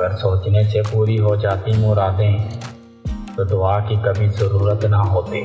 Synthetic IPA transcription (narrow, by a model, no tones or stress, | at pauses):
ɡəɾsoːt͡ʃnesepuːɾiɦod͡ʒaːt̪imʊɾaːd̪ɦɛ̃ | t̪od̪ʊaːkikɐbʱizəɾuːɾət̪naɦoːt̪eː